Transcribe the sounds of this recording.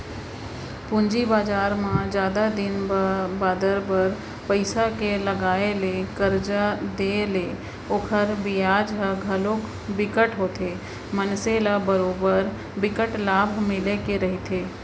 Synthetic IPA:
pʊ̃ɲd͡ʒibaːd͡ʒaːɾmãd͡ʒjaːd̪ad̪ɪnbaːd̪əɾbəɾ | pəɪsakelɐɡaːelekəɾd͡ʒad̪eːle | oːkʰəɾbɪjaːd͡ʒɦəɡʱɐlõk | bɪkəʈɦoːt̪ʰeː | mənseːlabəɾoːbəɾ | bɪkəʈlaːbʱmɪlekeɾɐɦet̪ʰeː

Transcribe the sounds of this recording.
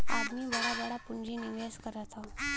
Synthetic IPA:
a̰d̪miːʋɛɽabɛɽapuɳd͡ʑiːniʋeskəɾət̪ʰa

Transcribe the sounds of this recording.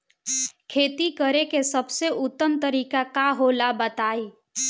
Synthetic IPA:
kʰeːt̪ikəɾekesəbseʔʊt̪ːəmt̪əɾiːkakaɦolabət̪aːiː

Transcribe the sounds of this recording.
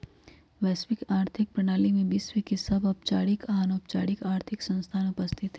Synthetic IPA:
ʋɛːswɪkaːɾt̪ʰɪk̚pɾɐɽ̃aːlimẽbiswikesɐbɐp̚t͡ʃaːɽɪkaɦanoːpt͡ʃaːɽɪkaːɾt̪ʰɪksɐ̃nst̪ʰaːnʊpəst̪ʰɪt̪e

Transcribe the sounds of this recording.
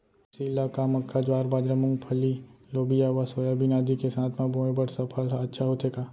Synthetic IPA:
siːlːakamɐkʰːad͡ʒaːɾbaːd͡ʒɾəmʊ̃ŋɡpʰɐlːiloːbijaʋasoːjabinaːd̪ikesãːt̪ʰmãbõːẽbəɽsɐpʰəlɐtːʃʰaɦoːt̪eːɡaː

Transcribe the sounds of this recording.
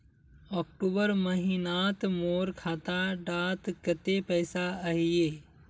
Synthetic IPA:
ɔːk̚ʈuːbəɾməɦinaːt̪moːɾkʰaːt̪aɖaːt̪kət̪epəːsaəɦieː

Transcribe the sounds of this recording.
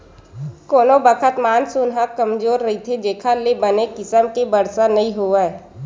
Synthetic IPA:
koːnobəkʰət̪maːnsʊnɦakɐmd͡ʒoːɾːɐɦit̪ʰed͡ʒeːkʰalebɐnekɪsəmkebəɾsanɐĩɦoaɛ

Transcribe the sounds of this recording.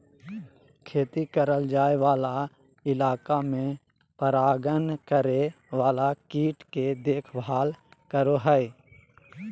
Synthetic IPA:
kʰeːt̪ikəɾəld͡ʒaːeʋaːla | ɪlaːkamẽ | pəɾaːɡənkəɾe | ʋaːlakiːʈked̪eːkʰbaːlkəɾoɦɛe

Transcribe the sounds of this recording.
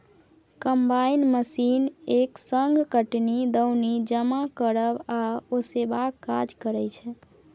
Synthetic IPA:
kəmbainməsineksəŋɡʱkəʈnid̪əwnid͡ʒəmakəɾəbaosebakːad͡ʒkəɾɛt͡ʃʰɛ

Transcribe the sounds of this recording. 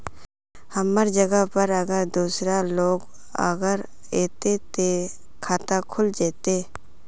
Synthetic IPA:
həməɾd͡ʒəɡəpəɾəɡəɾd̪uːsɾaloːɡ | ə̰ɡəɾ | eːt̪et̪e | kʰaːt̪akʰʊld͡ʒɛːt̪eː

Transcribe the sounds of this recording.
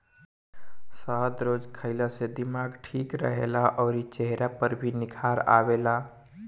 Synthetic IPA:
səɦd̪ɾod͡ʒkʰəɪlased̪imaɡʈʰikɾə̰ɦḛlaʔɔʊɾit͡ʃeɦɾapəɾbʱinikʰaɾa̰bela

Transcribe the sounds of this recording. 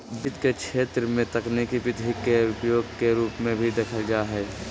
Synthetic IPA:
bɪt̪kekʃʰeːt̪ɾəmẽt̪əknekibɪd̪ʱɦikːeʊpjoːɡkeɾuːpmẽbʱid̪ekʰəld͡ʒaːɦɛː

